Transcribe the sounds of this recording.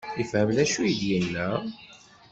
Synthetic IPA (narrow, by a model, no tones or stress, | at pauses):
jəfhəmlæʃujəd̪jənːæ